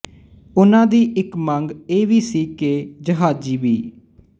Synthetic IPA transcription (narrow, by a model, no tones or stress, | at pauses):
ʊnãːd̪iːʔɪkməŋɡeːʋiːsiːkeːd͡ʒəɦaːd͡ʒiːʋiː